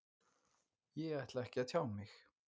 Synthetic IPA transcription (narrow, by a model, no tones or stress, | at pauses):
jɛajht̪laɛhcɪaðt̪ʰjaːwmɪx